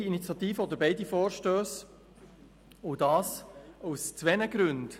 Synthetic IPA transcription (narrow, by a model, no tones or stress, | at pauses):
init͡sjɑt̪iːfəod̪əɾbeɪdifɔːɾʃtøːs | ʊdɑːsoʊst͡sʋɛnəɡɾʉnd